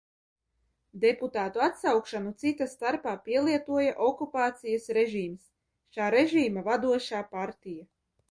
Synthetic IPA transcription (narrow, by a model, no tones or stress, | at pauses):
d̪eput̪aːt̪uat̪sawkʃanut̪sit̪ast̪aɾpaːpiɛlˠiɛt̪uɔjaʔɔkupaːt̪sijasɾeʒiːms | ʃaːɾeʒiːmavad̪uɔʃaːpaɾt̪ija